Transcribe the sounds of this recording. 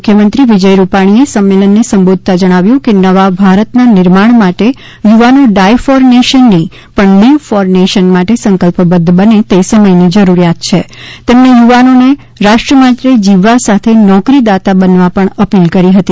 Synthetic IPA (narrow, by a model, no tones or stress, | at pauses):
ukʰːjəmənt̪ɾiʋid͡ʒəjɾupaɽ̃iesəmːelənːesəmbod̪̚ʱt̪ad͡ʒəɽ̃aʋjũkenəʋabʱaɾət̪nanɪɾmaɳ̃maʈe | juʋanoɖajfɔɾneʃənːi | pəɳniʋfɔɾneʃənmaʈesəŋkəlpəbəd̪ʱːbənet̪esəməjnid͡ʒəɾuɾjat̪t͡ʃʰet̪emnejuʋanone | ɾaʃʈɾəmat̪ɾed͡ʒiʋasat̪ʰenɔkɾid̪at̪abənʋapəɳəpilkəɾiɦət̪i